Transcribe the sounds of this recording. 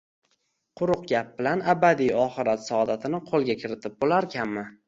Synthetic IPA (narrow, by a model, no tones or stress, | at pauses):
qʰʊɾʊq̚ɡʲap̚bɪlanabad̪ijɒχɨɾat̪sɒɒd̪at̪ʰɪnɪqʰolˠɡʲakʲʰɪɾɪt̪ʰɪp̚bolaɾkʲʰanmɪ